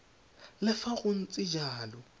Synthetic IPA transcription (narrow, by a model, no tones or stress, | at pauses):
lɪfaɣʊn̩t͡sʼɪd͡ʒaːlɔ